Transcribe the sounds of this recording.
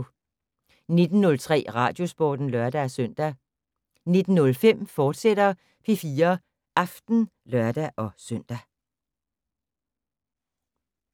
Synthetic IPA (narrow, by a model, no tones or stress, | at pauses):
ne̝d̥n̩nɔ̽lt͡sʰʁɛ̰ːʁɑ̈ːd̥jo̝sb̥ɒːd̥n̩lɶɐd̥ææsœn̰d̥æ | ne̝d̥n̩ːɔ̽lfem̰fɒːd̥sed̥ɐ | pʰe̝fiːɐ | ʔɑ̈fd̥n̩ | lɶɐd̥æʔɒ̽sœn̰d̥æ